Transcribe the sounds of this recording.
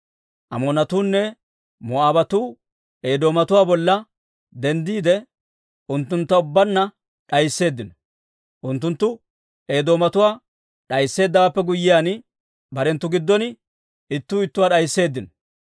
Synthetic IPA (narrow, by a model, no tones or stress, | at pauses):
ʔɐmoːnɐt̪uːnːɛ | mɔaːbɐt̪uː | eːd̪o̞ːmɐt̪ʊwaːbɔlːɐ | d̪ɛnd̪iːd̪ɛ | ʔʊnt̪ːʊnt̪ːɐʊbːɐnːɐ | ɗɐjsːe̞ːd̪ːɪnɔ | ʔʊnt̪ːʊnt̪ːʊ | e̞ːd̪o̞ːmɐt̪ʊwaː | ɗɐjsːe̞ːd̪ːɐwaːpːɛɡʊjːɪjaːn | bɐɾɛnt̪ːʊɡɪd̪ːɔnɪ | ɪt̪ːuːɪt̪ːʊwaːɗɐjsːe̞ːd̪ːɪnɔ